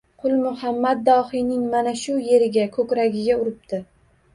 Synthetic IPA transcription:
qʰʊlˠmʊhamːad̪̚ːɒhɪjnɪŋmanaʃʊje̞ɾɪɡʲakʰɵkʲɾaɡʲɪɡʲaʊɾɪp̚t̪ʰɪ

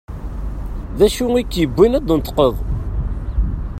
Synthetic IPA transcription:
ðæʃuikːjəbʷːinæd̪ˤnt̪ːqəðˤ

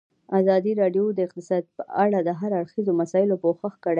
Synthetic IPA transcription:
azɑd̪iɾɑɖjod̪əɪq̚t̪ɪsɑd̪̚pəaɽad̪əɦaɾaɽxizomasɑɪlopoxəxkəɽa

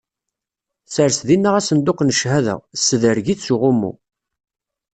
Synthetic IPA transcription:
səɾsðinːaʁæsənd̪ʊqnəʃhæðæ̰sːəðəɾʝiθsuʁʊmːṵ

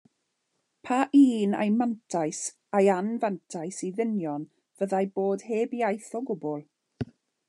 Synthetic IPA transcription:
pʰaʔiːna̰jmantʰajs | ajanvantʰajsiðɪnjɔn | v̥əðajboːd̥heːbiajθɔɡʊbɔlˠ

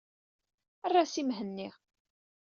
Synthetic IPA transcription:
ærˤːasimɦənːiʁ

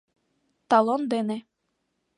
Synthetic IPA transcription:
t̪ɑlˠond̪ene

